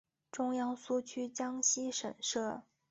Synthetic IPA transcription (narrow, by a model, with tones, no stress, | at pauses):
ʈ͡ʂʊ˥ŋjɑ˥ŋsu˥t͡ɕʰy˥t͡ɕjɑ˥ŋɕi˥ʂə̰˨˩nʂɤ˥˩